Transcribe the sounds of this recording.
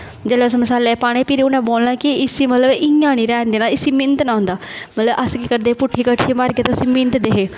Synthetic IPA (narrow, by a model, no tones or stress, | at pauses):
d͡ʒ̪eːloːsməsaːlɛːpaːɽ̃eːpiːɾeːʊnãːboːlnaːkɪɪsiːmət̪ləbɪjãːñiːɾɛːnd̪eːnaːɪsiːmɪnt̪nãːɦʊ̃nd̪aːmət̪ləbʔəskikəɾd̪eːpʊʈʰːiːkəʈʰʃiːmaːɾɡeːt̪osiːmɪ̃nt̪d̪eɦeː